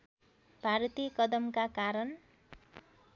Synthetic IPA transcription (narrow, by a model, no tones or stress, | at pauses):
bʱaɾt̪ikʌd̪ʌmkakaɾʌn